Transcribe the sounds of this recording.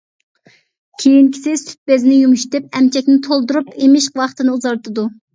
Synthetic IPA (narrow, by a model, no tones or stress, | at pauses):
kʲʰejinkʲʰi̥sɪst̪ʰy̥t̪̚beznɪjumuʃt̪ɪp̚ɛmt͡ʃʰɛkʲnɪt̪ʰolˠd̪uɾupemɪʃwɑχt̪ʰɨnɨuzɑɾt̪ʰɨd̪u